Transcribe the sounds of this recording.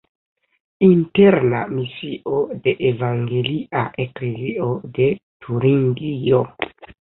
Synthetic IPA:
inte̞ɾna̰misiʔo̞de̞ʔevaŋɡe̞liʔaʔe̞kle̞zio̞de̞tʰuɾiŋɡio̞

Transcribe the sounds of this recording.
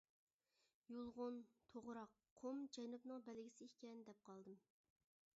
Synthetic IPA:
julˠʁʊnt̪ʰoʁɾɑqʰːomd͡ʒɛnupnɨŋbɛlɡʲisɪikʲɛnd̪ɛp̚qʰɑlˠd̪ɨm

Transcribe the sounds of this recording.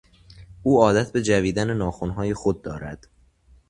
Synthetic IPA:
ʔuːɒːd̪æt̪ʰbe̞d͡ʒæviːd̪ænenɒːxonɦɒːje̞xod̪̚ːɒːɾæd̪̥

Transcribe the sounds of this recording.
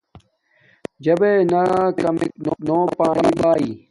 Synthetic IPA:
d͡ʑɐbenɐkɐmeknonoːpaːnibaːiː

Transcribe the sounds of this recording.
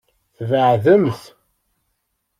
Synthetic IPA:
θvəʕðəmθ

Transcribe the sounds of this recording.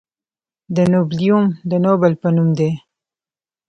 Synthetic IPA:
d̪ənoblijumd̪ənobəlpənumd̪e

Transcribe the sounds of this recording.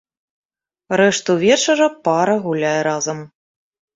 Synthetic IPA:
ɾɛʂt̪uvʲɛt͡ʂɐɾɐpaɾɐɣulʲajɛɾazɐm

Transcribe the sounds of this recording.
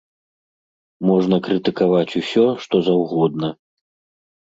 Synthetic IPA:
mɔʐnɐkɾɨt̪ɨkavat͡sʲusʲɔʂt̪ɔzawɣɔd̪̚nɐ

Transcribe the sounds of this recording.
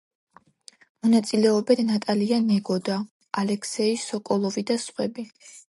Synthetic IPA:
mɔnat̪sʼilɛɔbɛd̪nat̪ʼalianɛɡɔd̪aː | lɛkʰsɛisɔkʼɔlˠɔvid̪asχwɛbi

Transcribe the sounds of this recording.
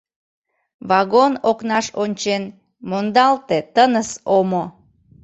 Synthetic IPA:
βɑɣonoknɑʃonʲt͡ɕen | mond̪ɑlt̪et̪ənəsomo

